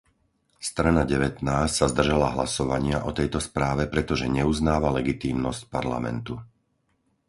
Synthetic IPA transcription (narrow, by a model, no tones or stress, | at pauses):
st̪ɾanaɟɛʋɛt̪naːscʲsazd̪r̩ʒalaɦlasɔʋaɲɪaʔɔt̪ɛjt̪ɔspɾaːʋɛpɾɛt̪ɔʒɛɲɛuznaːʋalɛɡit̪iːmnɔscpaɾla̰mɛ̰nt̪u